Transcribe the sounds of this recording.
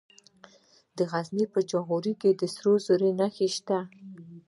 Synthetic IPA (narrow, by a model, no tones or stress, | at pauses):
d̪əɣaznipəd͡ʒaɣuɾiked̪əsɾozoɾenaxeʃt̪a